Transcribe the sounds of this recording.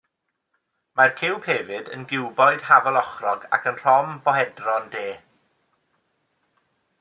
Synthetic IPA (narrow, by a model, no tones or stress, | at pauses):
markʰɪwˠpʰeːvɨdə̰nɡɪwbɔjd̥havɛlˠɔχrɔɡa̰kʰənr̥ɔmbɔɦɛdrɔndeː